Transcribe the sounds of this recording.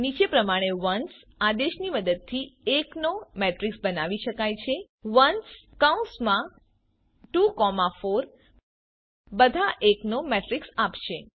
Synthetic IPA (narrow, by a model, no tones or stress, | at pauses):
nit͡ʃepɾəmaɽ̃eʋəns | ad̪eʃniməd̪əd̪̚t̪ʰieknomeʈɾiksbənaʋiʃəkajt͡ʃʰe | ʋənskaũnsmã | ʈukɔmafoɾ | bəd̪ʱaʔeknomeʈɾiksapʃe